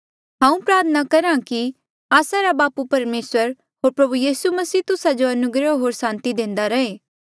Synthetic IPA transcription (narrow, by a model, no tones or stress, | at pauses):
ɦãːũpɾaːɾt̪ʰənakɐɾãki | aːsaɾabaːpupɐɾmeːsəɾ | ɦoːɾpɾɐbujiːsumɐsiːt̪ʊsad͡ʒoɐnʊɡɾəɦoːɾsãːnt̪id̪ẽːnd̪aɾɐɦeː